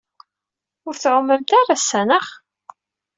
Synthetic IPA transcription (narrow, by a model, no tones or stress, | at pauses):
ʊɾθʕʊmːəmt̪arˤasːænəχ